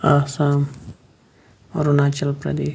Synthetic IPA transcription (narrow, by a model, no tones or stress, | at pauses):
asaːm | ɾunaːt͡ʃɐlpɾɐ̰d̪eː